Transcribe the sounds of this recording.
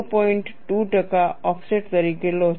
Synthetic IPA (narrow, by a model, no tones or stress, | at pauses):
pɔiɳʈʈuʈəkaɔpʰseʈt̪əɾikelo